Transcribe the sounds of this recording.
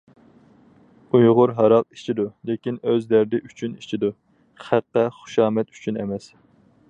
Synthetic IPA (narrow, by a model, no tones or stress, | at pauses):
ujʁʊɾɦɑɾɑq̚i̥t͡ʃʰid̪ulekʲinøzlæɾd̪ɪʔyt͡ʃʰynit͡ʃʰid̪u | χæqːɛχʊ̥ʃɑːmɛt̪y̥t͡ʃʰynḛmɛs